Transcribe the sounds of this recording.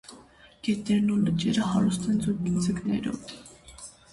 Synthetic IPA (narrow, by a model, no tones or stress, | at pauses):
kɛt̪ɛɾnulət͡ʃɛɾəhɑɾust̪ɛnd͡zuɾkind͡zəknɛ̰ɾɔ̰v